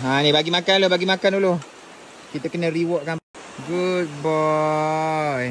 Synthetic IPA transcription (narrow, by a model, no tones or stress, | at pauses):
anibaɡimakanlobaɡimakanuloh | kit̪əkənəriwɔʔ̚kan | ɡut̪̚bɔ | j